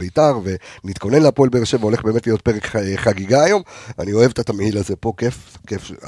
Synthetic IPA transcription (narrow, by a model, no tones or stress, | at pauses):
beitaʁve̞nit̪ko̞ne̞nleapo̞elbeːʁʃe̞veo̞leχbeːmetlijo̞t̚peʁekχaɡiɡaːjo̞ma̰nio̞e̞vtat̪amehilaze̞po̞kefkef